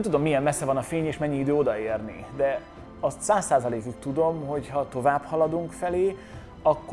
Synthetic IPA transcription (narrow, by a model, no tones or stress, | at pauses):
mt̪ud̪o̞mːijɛmːɛsːɛvɒnɒfeːɲeːʃmɛɲːiid̪øːo̞d̪ɒeːrnid̪ɛ | ɒst̪saːsːaːzɒleːkykt̪ːud̪o̞mho̞chɒt̪o̞vaːbhɒlɒd̪uŋkfɛleː | ɒkːo